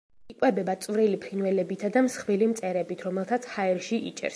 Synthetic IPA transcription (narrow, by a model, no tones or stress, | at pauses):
ikʼwɛbɛbat̪sʼvɾilipʰɾinwɛlɛbit̪ʰad̪amsχvilimt̪sʼɛɾɛbit̪ʰɾɔmɛlˠt̪ʰat̪sʰhaɛɾʃiʔḭt͡ʃʼɛ̰ɾs